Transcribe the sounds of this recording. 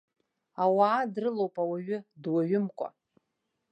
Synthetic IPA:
awaːdrɨlowpʼawaɥʊdwaɥʊmkʷʼa̰

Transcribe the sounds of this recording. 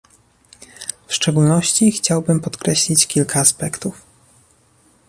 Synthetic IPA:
fʂt͡ʂɛɡulnɔɕt͡ɕixt͡ɕawbɘmpɔt̪kɾɛɕlʲit͡ɕkʲilkʰaːspɛkt̪uf

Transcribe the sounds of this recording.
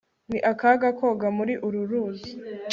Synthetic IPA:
niʔakaɡako̞ɡamuɾiʔuɾuɾuːzi

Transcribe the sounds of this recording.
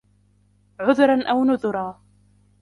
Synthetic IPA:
ʕʊðʊɾˤɑnʔawnʊðʊɾˤɑː

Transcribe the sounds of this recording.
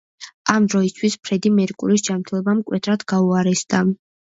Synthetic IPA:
amd̪ɾɔist̪ʰwispʰɾɛd̪imɛɾikʼṵɾisd͡ʒamɾt̪ʰɛlˠɔbamkʼwɛt̪ʰɾad̪ɡauaɾɛsd̪̥a

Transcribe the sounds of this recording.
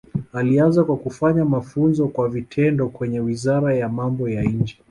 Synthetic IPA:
alianzakwakufaɲamafunzɔkwavitʰɛndɔkwɛɲɛwizaɾajamambɔjaɲd͡ʒɛ

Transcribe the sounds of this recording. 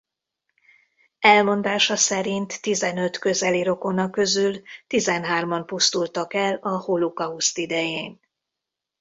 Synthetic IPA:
ɛlmo̞nd̪aːʃɒsɛɾint̪ːizɛnø̞t̪kø̞zɛliɾo̞ko̞nɒkːø̞zylt̪izɛnɦaːrmɒmpust̪ult̪ɒkɛlɒholukɒust̪id̪ɛjeːn

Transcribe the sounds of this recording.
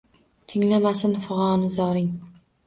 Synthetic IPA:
t̪ʰɪŋlamasɪnfʊʁɑɒnɪzɒɾɪŋ

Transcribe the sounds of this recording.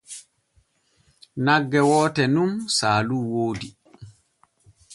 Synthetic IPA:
naɡːɛwɔːtɛnumsaːluːwoːdi

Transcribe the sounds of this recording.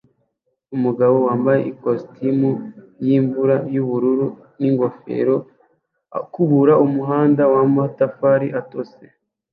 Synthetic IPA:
umuɡaβo̞waːmbaje̞̰ʔikostʰimu | jiːɱvuɾajuβuɾuɾu | niŋɡo̞fḛɾo̞ | akuβuɾaʔumuɦaːndawamohatafaɾiʔato̞sḛ

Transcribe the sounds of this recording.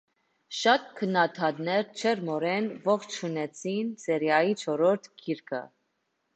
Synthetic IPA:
ʃɑt̪̚kʰənːɑt̪ʰɑt̪nɛɾt͡ʃʰɛɾmɔɾɛnvɔχt͡ʃʰunɛt͡sʰinsɛɾjɑjit͡ʃʰɔɾɔɾt̪ʰɡʰiɾkʰə̰

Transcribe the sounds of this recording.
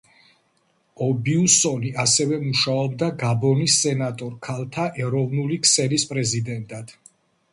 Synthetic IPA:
ɔbiusɔniʔasɛvɛmuʃaɔbd̪aɡabɔnisːɛnat̪ʼɔɾkʰalˠt̪ʰaʔɛɾɔvnulikʰsɛlispʼɾɛzid̪ɛnt̪ʼad̪̥

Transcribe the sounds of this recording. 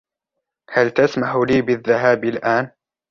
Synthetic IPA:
halt̪asmaħliːbɪðːaɦaːbɪlʔaːn

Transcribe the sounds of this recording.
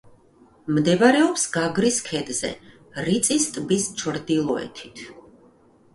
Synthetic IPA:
md̪ɛvaɾɛɔpsɡaɡɾiskʰɛd̪zɛ̰ | ɾit̪sʼist̪ʼbist͡ʃʰɾd̪ilˠɔɛ̰t̪ʰi̥t̪ʰ

